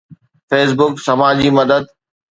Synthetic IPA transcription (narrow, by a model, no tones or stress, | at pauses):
feːs̬bʊksɐmaːd͡ʑiːmɐd̪əd̪̚